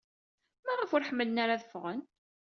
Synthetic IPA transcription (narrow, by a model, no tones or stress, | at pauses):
mæʁifʊɾħəmːələnaɾaðəfʁən